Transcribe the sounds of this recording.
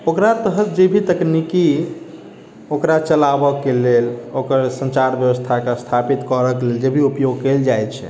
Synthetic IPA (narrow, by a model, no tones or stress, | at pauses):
okɾat̪əɦət̪̚d͡ʒebʱit̪əkniki | okɾat͡ʃəlabəkelelokəɾsə̃nt͡ʃaɾbjəwəst̪ʰakest̪ʰapit̪kəɾəkeleld͡ʒebʱiupjoɡ̚keld͡ʒajt̪t͡ʃʰɛ̰